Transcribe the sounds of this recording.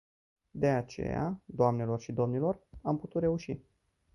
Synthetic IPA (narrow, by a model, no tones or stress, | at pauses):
d̪e̞at͡ʃe̞̰ja̰d̪oamne̞lo̞rʃid̪o̞mnilo̞ramput̪ut̪ɾe̞uʃi